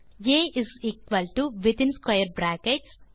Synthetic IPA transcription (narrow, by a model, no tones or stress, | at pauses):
jeːɪziːkʋɐlʈuʋɪt̪ɪ̃nskajəɾbɾæːkeʈs